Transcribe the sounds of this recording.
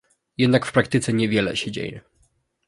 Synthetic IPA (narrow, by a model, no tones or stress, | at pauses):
jɛd̪nakfpɾakt̪ɘt̪sɛɲɛvʲjɛlɛ̰ɕɛd͡ʑḛjɛ̰